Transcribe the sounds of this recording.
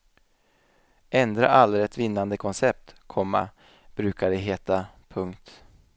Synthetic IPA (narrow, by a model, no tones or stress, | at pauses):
ɛnd̪ɾa̰ʔalːɾɛt̪vɪnːand̪əkʰɔnsɛp̚t̪kʰɔmːa̰ | b̥ɾʉ̟ːkaɖɛɦeːt̪a | pʰɵŋkt̪